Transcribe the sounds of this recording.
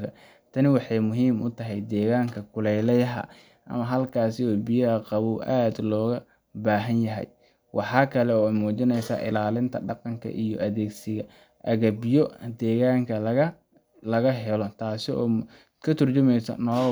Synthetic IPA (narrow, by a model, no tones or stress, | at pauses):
ɐ | t̪ʰɐnɪwɑħɑjmʊɦiːmʊt̪ʰɐɦɛjd̪ɛːɣaːŋkʰɐkʰʊlɛjlɛjɦɐ̰ | ʔɐ̰mɐɦɐlkʰaːsɪɔːbijɐhɐqɑβʊwʔaːd̪lɔːɣɐ | baːɦɐnjɐɦɛ̰j | wʔɑħɑːkʰɐlɛɔːmuːt͡ʃɪnɛjsa̰ːʔɪ̰laːlɪnt̪ʰɐɖɑqɑŋkʰɐ̰ʔijɔ̰ʔɐðeːɡsɪɣɐ | ʔɐɣɐbjɔd̪ɛːɣaːŋkʰɐlɐɣɐ | lɐɣɐɦɛlɔt̪ʰaːsɪɔ̰ː | kʰɐt̪ʰʊrt͡ʃʊmɛjsɐ̰nɔː